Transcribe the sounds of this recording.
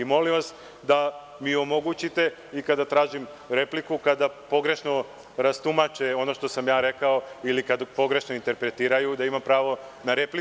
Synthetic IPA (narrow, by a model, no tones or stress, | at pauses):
imo̞limʋas | d̪a | miomo̞ɡut͡ɕit̪e̞ | ikad̪at̪ɾaːʒim | ɾe̞plikukad̪apo̞ɡɾe̞ʃno̞ | ɾast̪umat͡ʃeo̞no̞ʃt̪o̞samjaːɾe̞kao̞ilikad̪po̞ɡɾe̞ʃnoint̪e̞ɾpɾe̞t̪iːɾajud̪aimampɾaːʋo̞naɾepli